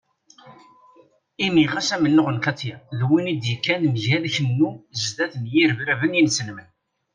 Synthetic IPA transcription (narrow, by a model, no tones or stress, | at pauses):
imiʁæsæmənːʊʁənkɑt̪ˤːjæðwinid̪jəkːænməʝæðçənːuzðæθnjiɾvɾævənjinsənmən